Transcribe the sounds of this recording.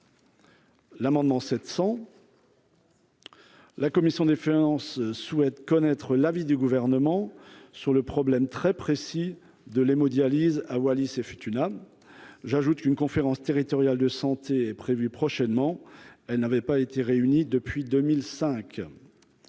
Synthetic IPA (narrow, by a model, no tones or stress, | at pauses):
lamɑ̃d̪mɑ̃sɛt̪sɑ̃ | lakɔmisjɔ̃d̪efiɑ̃sswɛt̪kɔnɛt̪χəlavid̪yɡuvɛʁnəmɑ̃syʁləpχɔblɛmt̪χɛpχesi | d̪əlemod̪jalizawalisefyt̪yna | ʒaʒut̪kynkɔ̃feʁɑ̃st̪eʁit̪ɔʁjald̪əsɑ̃t̪eɛpχevypχɔʃɛnmɑ̃ɛlnavɛpaet̪eʁeynid̪əpɥid̪ømilsɛ̃k